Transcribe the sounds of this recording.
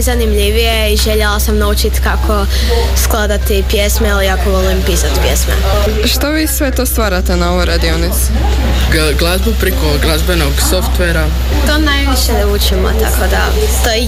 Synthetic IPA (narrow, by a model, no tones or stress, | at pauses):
zanimʎiʋijeiʒeʎelˠasamnaut͡ʃit̪kakʰo | sklˠad̪at̪ipjesmeiliakoolimpisat̪pjḛsmḛ | ʃt̪oʋiːsʋet̪oːst̪ʋaːɾat̪enaoʋojɾad̪ionit̪su̥ | ɡlˠazbupɾikoɡlˠazbenoɡsoft̪ʋeɾa | t̪onajʋiʃe | ut͡ʃimo̰t̪a̰kʰod̪a̰ | t̪o